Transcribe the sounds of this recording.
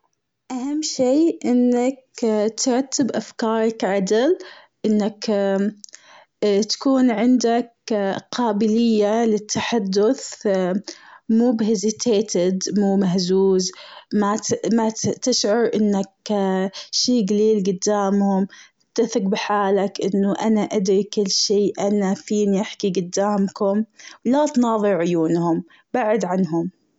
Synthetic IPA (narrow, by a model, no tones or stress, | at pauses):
ʔahamːʃiːʔɪnːak̚t̪ɾˤɑt̪ːɪbʔafkɑːɾˤɑkʕad̪ɪl | ʔɪnːak | t̪ḁkuːnʕɪnd̪akqʰɑːbɪlɪjːalɪt̪ʰːaħad̪ːʊθ | muːbhɪzɪt̪ʰeːt̪ɪd̪muːmahzuːzmamat̪ɪʃʕʊɾˤʔɪnːak | ʃiːɡaliːlɡʊd̪ːaːmhʊmʔɪt̪ːaθɪq̚bɪħaːlakʔɪnːʊʔanaʔad̪ɾikɪlːʃiːʔanafiːniʔaħkiɡʊd̪ːaːmkʊmwlat̪nɑːðˤɨɾʕʊjuːnhʊm | baʕɪd̪ʕanɦʊm